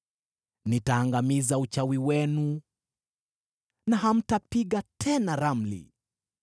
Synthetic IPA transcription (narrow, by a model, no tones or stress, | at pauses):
nitaːŋɡamizaut͡ʃawiwɛnu | naɦam̩tapiɠatʰɛnaɾam̩lḭ